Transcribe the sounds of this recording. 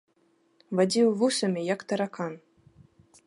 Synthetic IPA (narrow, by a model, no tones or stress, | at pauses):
vadʲiwvusɐmʲijakt̪ɐɾakan